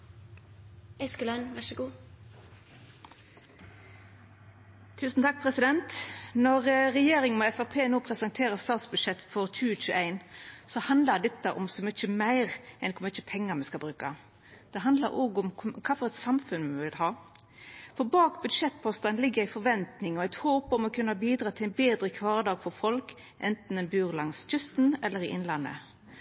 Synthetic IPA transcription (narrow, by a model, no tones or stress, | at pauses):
ɛskʉlœnʋæʃəɡuː | t̪ʰʉːsn̩t̪ʰɑk̚pʰʁɛsɪd̪ɛnt̪nɔʁʁɛjeːɾɪŋnmoɛfæʁpʰeːnoːpʰʁɛsɑnt̪ʰeːʁəst̪ɑːt̪sbʉd̪ʂɛt̪ːfɔʁc͡çʉːəc͡çʉːʔæɪnsɔhɑnd̪ləd̪ɛt̪ːəʔʊmsɔmʏt͡ʃːəmæɪʁɛnkɔmʏt͡ʃːəpʰɛŋːəmɛskɑlbɾʉːkɑ̰ | d̪̥ɛɦɑnd̪lə̰ɾoːɡʊmkʰɑːfɔʁɛt̪sɑmfʉnmɛʋɪlhɑː | fɔɾbɑːkbʉd̪ʂɛt̪ːpʰɔst̪ɑnlɪɡːəɾæɪfɔɾʋɛnt̪nɪŋɔæɪt̪hoːpɔmɔkʰʉnːəhɑbiːd̪ɾɑːt̪ʰɪlænbeːd̪ɾəkʰʋɑːʁd̪ɑːɡfɔʁfɔlk | ʔɛnt̪n̩ɛnbʉːʁlɑŋsc͡çʏst̪n̩ɛlːəɾɪʔɪnlɑnːə̰